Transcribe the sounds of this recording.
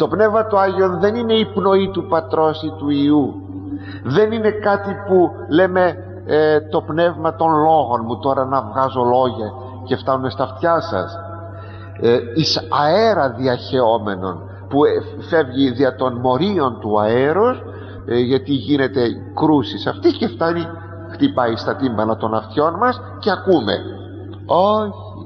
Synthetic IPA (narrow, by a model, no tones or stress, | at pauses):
t̪o̞pne̞vmɐt̪oɐʝio̞nðe̞nine̞ipno̞it̪upɐt̪ɾo̞sit̪uiu | ðe̞nine̞kɐt̪ipu | le̞me̞ | t̪o̞pne̞vmɐt̪o̞nlo̞ɣo̞nmut̪o̞ɾɐnɐvɣɐzo̞lo̞ʝɐ | ce̞ft̪ɐnune̞st̪ɐft̪çɐsɐ̰s | isɐeɾɐðiɐçe̞o̞me̞no̞̰n | pu | fe̞vʝiðiɐt̪o̞nmo̞ɾio̞nt̪uɐeɾos | ʝɐt̪iʝine̞t̪e̞ | kɾusisɐft̪ice̞ft̪ɐni | xt̪ipɐist̪ɐt̪imbɐnɐt̪o̞nɐft̪ço̞nmɐs | ceɐkume̞̰ | o̞ç | i